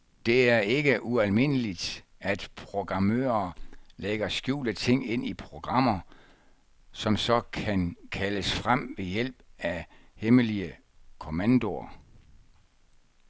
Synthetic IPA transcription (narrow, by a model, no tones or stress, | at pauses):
d̥e̝æɐe̝ɡ̥əʔuælme̝n̰əlid̥æd̥pʰʁo̝ɡ̥ʁɑ̈mø̰ːɐleɡ̥ɐsɡ̥jṵːlət͡sʰe̝ŋ̰e̝n̰ipʰʁo̝ɡ̥ʁɑ̈m̰ɐ | sɒ̽msɒ̽kʰænkʰæləsfʁam̰ʋe̝jel̰b̥æheməliə | kʰo̝mænd̥o̝ɐ